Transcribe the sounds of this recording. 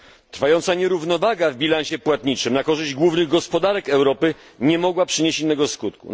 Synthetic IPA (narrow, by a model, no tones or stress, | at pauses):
t̪ɾ̥fajɔnt̪saɲɛɾuvnɔvaɡavbʲilanɕɛpwat̪ɲit͡ʂɘmnakɔʐɘʑd͡ʑɡwuvnɘɣɡɔspɔd̪aɾɛkɛwɾɔpɘ | ɲɛmɔɡwapʂɘɲet͡ɕinːɛɡɔskut̪̚kṵ